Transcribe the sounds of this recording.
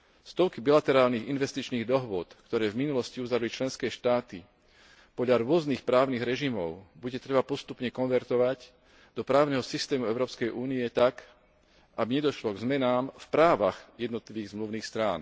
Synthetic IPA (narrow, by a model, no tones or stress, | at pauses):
st̪ɔʊkibilat̪ɛɾaːlniɣinʋɛst̪it͡ʃniːɣd̪ɔɦʋʊɔt̪kt̪ɔɾɛːvminulɔsciuzaɾlit͡ʃlɛnskɛːʃt̪aːt̪i | pɔd̪ʎaɾʊɔzniːxpɾaːʊniɣɾɛʒimɔʊbuɟɛt̪ɾɛbapɔst̪upɲɛkɔnʋɛɾt̪ɔʋaɟ | d̪̥ɔpɾaːʊnɛɦɔsist̪ɛːmuɛʊɾɔːpskɛjʔuːniɛt̪ak | ʔabiɲɛd̪ɔʃlɔɡzmɛnaːmfpɾaːʋaɣjɛd̪nɔt̪liʋiːɣzmluʊniːxst̪ɾa̰ːn